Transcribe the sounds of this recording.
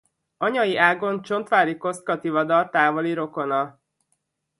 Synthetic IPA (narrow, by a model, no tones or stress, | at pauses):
ɒɲɒjiʔaːɡo̞nt͡ʃo̞nt̪ʋaːɾiko̞st̪̚kɒt̪ivɒd̪ɒlt̪aːvoliɾo̞ko̞nɒ